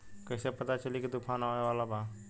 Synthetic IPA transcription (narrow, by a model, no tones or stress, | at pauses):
kəsepət̪at͡ʃəlikid̪ʊkʰaːnaeʋaːlaba